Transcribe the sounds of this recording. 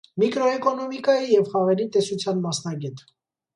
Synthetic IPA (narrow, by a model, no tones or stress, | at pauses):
mikɾɔɛkɔnɔmikɑjijɛvχɑʁɛɾit̪ɛsut͡sʰjɑnmɑsnɑɡɛt̪